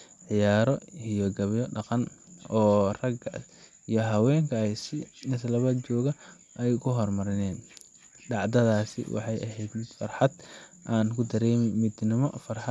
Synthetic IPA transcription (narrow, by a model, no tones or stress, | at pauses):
ʕɪjaːɾɔijɔɡɐβjɔɖɑqɑnɔːrɐɡɐ | ijɔɦɐwɛːŋkʰɐɛjsɪnɪslɐβɐt͡ʃɔːɣɐ | ʔɛjkʰʊɦɔrmɐɾɪnɛːn | ɖɑʕd̪ɐðaːsɪ̰wɑ̰ħɑjʔɐɦɛjd̪mɪd̪fɐrħɑd̪ʔaːnkʰʊd̪ɐɾɛːmɪmɪd̪nɪmɔfɐrħɑ